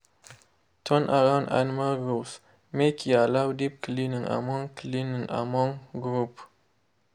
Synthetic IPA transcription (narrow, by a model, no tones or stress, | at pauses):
tʰɔnʔaɾãʊ̃ndã̰nmaɡɹus | mekʰialawdip̚klinĩŋa̰mɔ̃ŋklinĩŋa̰mɔ̃ŋɡɾup